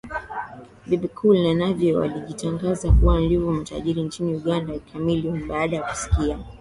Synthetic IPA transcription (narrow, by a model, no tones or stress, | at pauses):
bibikʰulnanavjɔwa̰liʄitaŋɡazakuwan̩livɔm̩ta̰ʄiɾint͡ʃiniuɠandaikʰamilium̩ɓaːɗajaku̥si̥kia